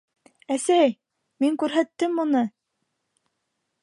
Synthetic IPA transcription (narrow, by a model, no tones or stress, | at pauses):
æsæj | miŋkʉɾɦæt̪ːɘmːunɤ